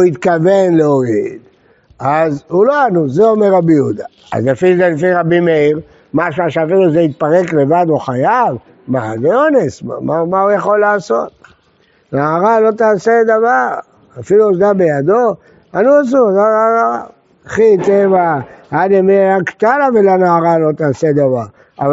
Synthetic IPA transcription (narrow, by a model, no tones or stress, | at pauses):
uit̪kavenleoid̪ | azuloanuzeomeʁabiud̪a | a̰zafiluzelefiʁabimeiʁ | maʃuaʃeafiluzeit̪̚paʁe̞kle̞vad̪uχajav | ma̰zeonesma̰mamaujaχo̞laːso̞t̪̚ | naːʁalo̞t̪aːsed̪avaʁ | afiluzd̪abe̞jad̪o̞ | anuas̬uzoaaa | χit̪evahad̪emiajakt̪alavelanaːʁalo̞t̪aːsed̪avaʁ | av